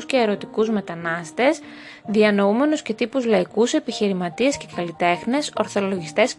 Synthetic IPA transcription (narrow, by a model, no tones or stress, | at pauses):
sce̞ːɾo̞t̪ikuzme̞t̪ɐnɐst̪e̞s | ðiɐno̞ume̞nusce̞t̪ipuzlɐikuse̞piçiɾimɐt̪ie̞sce̞kɐlit̪e̞xne̞so̞ɾθo̞lo̞ʝist̪e̞s